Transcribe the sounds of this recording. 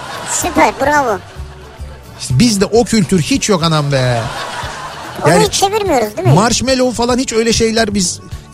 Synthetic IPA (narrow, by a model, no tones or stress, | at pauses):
sypʰæɾbuɾaβʊ | ʃɛbizd̪ɛʔo̞cʰylʲt̪ʰyɾhit͡ʃjo̞kanambɛ | ojaːt͡ʃʰe̞viɾmijo̞ɾuzd̪imimaɾʃmɛlʲolˠfalˠanhit͡ʃø̞jlʲɛʃe̞jlʲæɾbiz̥